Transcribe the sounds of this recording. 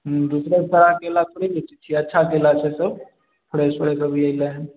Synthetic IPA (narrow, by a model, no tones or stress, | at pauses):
ɦ̩d̪usɾesəɾakelat̪ʰoɽibet͡ʃit͡ʃʰiətːʃʰakelat͡ʃʰesəb | pʰəɽespəɽekəbiəileɦ